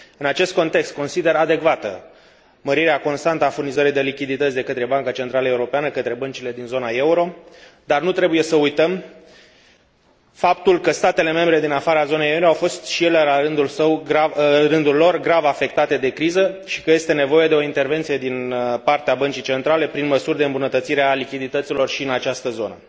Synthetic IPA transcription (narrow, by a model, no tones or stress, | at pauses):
ɨnat͡ʃe̞st̪̚ko̞nt̪e̞kst̪̚ko̞nsid̪e̞ɾad̪e̞kvat̪ə̰ | məɾiɾeako̞nst̪ant̪əafurnizəɾijd̪e̞likʲid̪it̪ət̪sʲd̪e̞kət̪ɾe̞baŋkat͡ʃe̞nt̪ɾaləeuɾo̞peanəkət̪ɾe̞bənt͡ʃile̞d̪inzo̞nae̞uɾo̞d̪arnut̪ɾe̞buje̞səujt̪əm | fapt̪ulkəst̪at̪e̞le̞me̞mbɾe̞d̪inafaɾazo̞nejeuɾoawfo̞st̪ʃije̞le̞laɾɨnd̪ulsəwarɨnd̪ulːo̞rɡɾavafe̞k̚t̪at̪e̞d̪e̞kɾizəʃi̥kəje̞st̪e̞ne̞vo̞je̞d̪e̞o̞int̪e̞rve̞nt̪sije̞d̪inpart̪eabənt͡ʃijt͡ʃe̞nt̪ɾale̞pɾinməsurd̪e̞ɨmbunət̪ət̪siɾealikʲid̪it̪ət̪silo̞rʃiɨnat͡ʃast̪əzo̞nə